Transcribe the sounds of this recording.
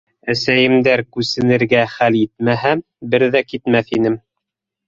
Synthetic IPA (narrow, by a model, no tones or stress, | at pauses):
æsæjɘ̆md̪æɾkʉsɘ̆nɘ̆ɾɡæχælit̪̚mæɦæ | bɘɾðækit̪mæθinɘm